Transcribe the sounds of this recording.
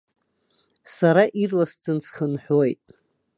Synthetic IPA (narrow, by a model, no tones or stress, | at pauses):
saɾaʔirlast͡sʰɨnsχənħʷojtʼ